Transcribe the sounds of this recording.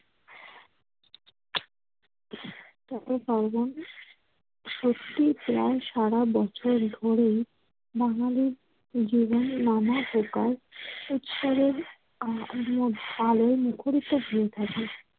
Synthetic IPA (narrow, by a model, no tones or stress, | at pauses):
t̪aobaɾbon | ʃot̪ːipɾaeʃaɽabɔt͡ɕʰoɾd̪ʱoɾej | baŋaliɾ | d͡ʑibonːamabʱokaɾut̪ʃɔɾeɾ | moaloemukʰoɾit̪oɦuet̪ʰake